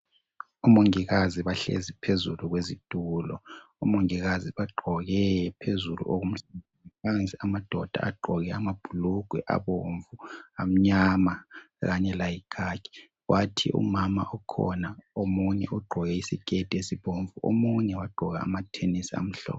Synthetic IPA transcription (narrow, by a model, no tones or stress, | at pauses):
umoŋiɣaziβaɬḛzipʰezuluɣwezid̥ʱuːlɔ | umoŋiɣaziβaɡ͡ǃʱɔɣɛpʰezulṵʔoɣum̩ɬaenipʰant͡sʼiamad̥ʱɔd̥ʱa̰ʔa̰ɡ͡ǃʱɔɣɛamab̥ʱuluɡ̥ʱwɛʔa̰βoɱvuam̩ɲama | ɣaɲɛlajikʰaːɡ̥ʰʱʼi̥ | wʔatʰḭʔṵmama̰ʔɔkʰɔ̰naomuɲɛ̰ʔuɡ͡ǃʱɔɣɛisiɡ̥ʱʼed̥ʱiesiβoɱvuo̰muɲɛwaɡ͡ǃʱɔɣa̰ːmatʰenisia̰m̩ɬɔ̰ːpɔ